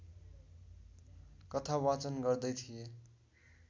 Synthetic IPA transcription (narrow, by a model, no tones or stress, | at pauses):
kʌt̪ʰawat͡sʌnɡʌrd̪ʌjt̪ʰije